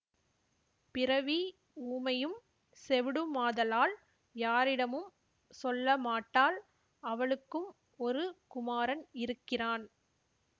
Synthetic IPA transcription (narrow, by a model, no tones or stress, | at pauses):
pɪɾɐʋi | uːmɐjɯm | sɛʋɪɽɯmaːðɐlaːl | jaːɾɪɽɐmɯm | sɔlːɐmaːʈːaːl | ɐʋɐɭɯkːɯm | ɔɾɯkʊmaːɾɐnɪɾɯkːɪraːn